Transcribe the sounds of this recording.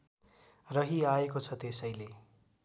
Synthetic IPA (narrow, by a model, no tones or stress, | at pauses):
rʌɦiaekot͡sʰʌt̪esʌjle